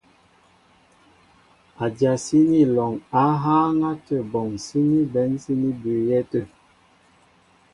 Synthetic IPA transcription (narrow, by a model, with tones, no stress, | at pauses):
a˨dja˨si˦ni˦lɔ˨ŋa˨˦ɦaː˦ŋa˦tə˦˨bɔ˨ŋsi˦ni˦bɛ˨˦nsi˦ni˦bʉ˨jɛ˦tə˨